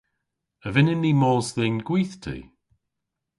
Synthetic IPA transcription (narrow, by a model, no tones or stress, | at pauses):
əvɪnɪnːiːmɔːzðɪnɡ̥wiːθtʰḭː